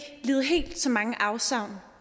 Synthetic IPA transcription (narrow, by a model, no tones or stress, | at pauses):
liːð̞̩ˠɦe̝̰ːld̥sɒ̽mɑ̈ŋəʔɑ̈ʊsɑ̈ʊn